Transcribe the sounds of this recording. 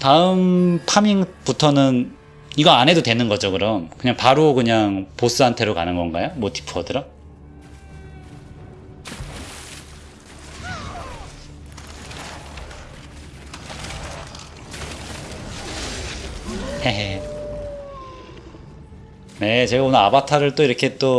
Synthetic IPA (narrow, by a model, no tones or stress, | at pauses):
taɯmpʰamiŋputʰʌnɯn | iɡʌanɦe̞dotwe̞nɯnɡʌd͡ʑokɯɾʌmkɯɲaŋpaɾokɯɲaŋpos͈ɯantʰe̞ɾokanɯnɡʌnɡajomwʌti̥pʰʌdɯɾʌ | e | ne̞t͡ɕe̞ɡaonɯɾabatʰaɾɯɭt͈oiɾʌkʰe̞t͈o